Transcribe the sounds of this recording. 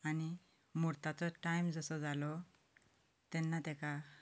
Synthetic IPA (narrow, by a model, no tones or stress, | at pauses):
ani | mɔɾt̪at͡sɔʈajmd͡zəsɔd͡zalɔ | t̪ɛnːat̪ɛ̃ka